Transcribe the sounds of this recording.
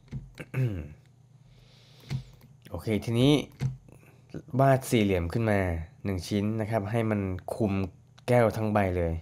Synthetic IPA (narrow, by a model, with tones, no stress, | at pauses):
m | ʔoː˧˩kʰeː˧t̪ʰiː˧niː˦˥ | waː˥˩t̪̚siː˨˩li˩˦mkʰɯ˥˩nmaː˧nɯ˨˩ŋt͡ɕʰi˦˥nːa˦˥kʰa˦˥p̚ɦa˥˩jma˧nkʰu˧m | kɛː˥˩wt̪ʰa˦˥ŋba˧jlɤː˧j